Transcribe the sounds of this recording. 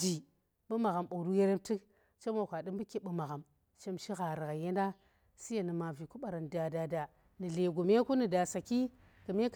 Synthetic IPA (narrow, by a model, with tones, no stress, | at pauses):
d͡ʒi˨ | ɓɨ˦ma˨ɣa˨mɓu˨ɾu˦je˦ɾe˦mti˦k | t͡ʃe˦mo˨kʷa˨dɨ˦mbɨ˦ki˦ɓɨ˦ma˨ɣa˨m | t͡ʃe˦mʃi˦ɣa˨ɾi˨ɣa˨je˦nda˦ | si˦ja˨nɨ˨ma˨vi˨ku˦ɓa˨ɾa˨n˨da˨da˨da˨ | nɨ˨le˨ɡu˨me˦ku˦ni˨da˨sa˨ki˦ | kɨ˨me˦k